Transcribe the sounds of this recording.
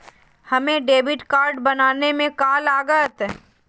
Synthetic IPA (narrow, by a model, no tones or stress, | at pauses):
hɐmẽɖeːʋɪʈkaːɾɖbɐnaːnemẽkaːlaːɡət̪